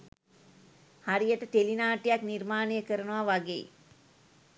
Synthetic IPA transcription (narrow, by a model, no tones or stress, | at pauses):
haɾijəʈət̪elinaːʈijaknirmaːnejəkəɾənəʋaʋaɡḛj̰